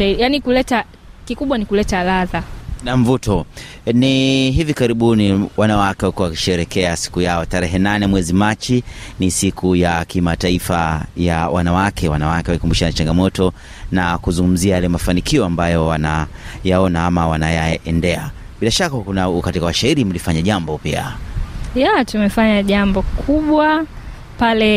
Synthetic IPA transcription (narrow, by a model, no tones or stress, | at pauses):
janikulɛta | kikuɓwanikulɛtalaðanaɱ̩vutɔ | niɦivikaɾiɓuniwanawakɛwalikuwawaki̥ʃɛɾɛkɛasi̥kujaɔtaɾɛɦɛnanɛmwɛzimat͡ʃinisikʰujakimataifajawʔa̰nawakʰɛwanawakɛwalikumbuʃanat͡ʃaŋɡamɔtɔ | nakuzuŋɡum̩ziajalɛmafanikiɔambajɔwana | jaɔnaamawanajaɛndɛa | ɓilaʃakakunakatikawaʃaiɾim̩lifaɲaʄambɔpia̰jatumɛfaɲaʄambɔkʰuɓwa | palɛ